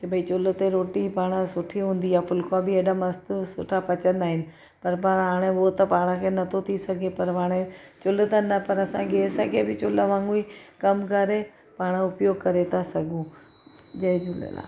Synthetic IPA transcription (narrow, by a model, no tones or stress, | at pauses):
kebʱɐit͡ɕʊl̆t̪eɾoːʈipaːɽ̃əsʊʈʰiɦũːnd̪iaːfʊlkãbɪeːɗamɐst̪sʊʈʰapɐt͡ɕə̃nd̪aːɦɪnɪ̆ | pɐɾpaːɽ̃ɦaːɽ̃eʊɦot̪ɐpaːɽ̃ə̃kʰeːnɐt̪ʰot̪ʰisɐɡʱepɐɾʋaːɽ̃et͡ɕʊlt̪ɐnɐpɐɾɐsãɡeːsəkʰebɪt͡ɕʊləʋãːŋɡuikɐmkɐɾe | paːɽ̃ʊpjoːɡ̚kɐɾet̪ʰasɐɡʱũ | d͡ʑɐɪd͡ʒʊlə̰la̰ː